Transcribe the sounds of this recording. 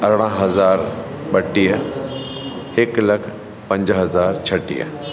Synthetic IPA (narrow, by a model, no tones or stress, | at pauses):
ɐɾɽ̃ãɦɐzaːɾ | ɓɐʈːijə | hɪklɐkʰ | pɐ̃ɲd͡ʑɦɐzaːɾt͡ɕʰɐʈḭjə̰